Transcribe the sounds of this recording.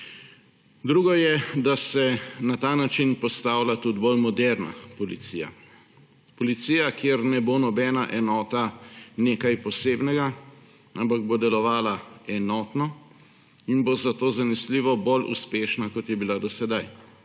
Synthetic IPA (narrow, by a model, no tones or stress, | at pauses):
d̪ɾuːɡɔjɛd̪asɛnat̪aːnat͡ʃinpɔst̪aːwlʲat̪ud̪bolmɔd̪ɛɾna̰pɔlit̪siːja̰ | pɔlit̪siːjakjeɾnɛbonɔbɛːnaʔɛnɔːt̪aneːkajpɔseːbnɛɡa | ampaɡ̚bod̪ɛlɔʋaːlaɛnɔːt̪nɔ | inbozat̪oːzanɛsliːʋɔbolʔṵspeːʃnakɔt̪jɛbilad̪ɔsɛd̪aj